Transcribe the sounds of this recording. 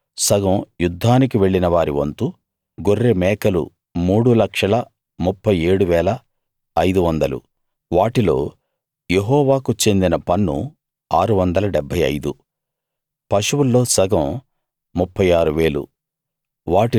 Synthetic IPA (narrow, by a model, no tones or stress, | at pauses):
sɐɡɐmjud̪ʱːaːnik̬iʋe̞ɭːinɐʋaːɾiʋɐ̰nt̪u | ɡorːemɛːkɐlṵ | muːɽulɐkʂɐlɐ | mupːɐjeːɽuʋɛːlɐː | jd̪uʋɐnd̪ɐlṵ | ʋaːʈilo̞̰ː | je̞ɦɔːʋaːkut͡ʃe̞nd̪inɐpɐnːṵ | aːɾuʋɐnd̪ɐlɐɖɛbʱːɐjɐ̰jd̪u | pɐʂuwulːo̞ːsɐɡɐm | mupʰːɐjaːɾuʋe̞ːlṵ | ʋaːʈi